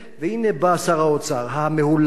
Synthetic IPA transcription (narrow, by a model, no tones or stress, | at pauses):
vehinebaːsaʁaot͡saʁɦameɦul